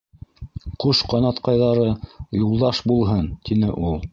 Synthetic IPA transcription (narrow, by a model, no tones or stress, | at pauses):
quʃqɑnɑt̪qɑjðɑɾɤjulˠd̪ɑʃbulˠɦɤnt̪inɘʔulˠ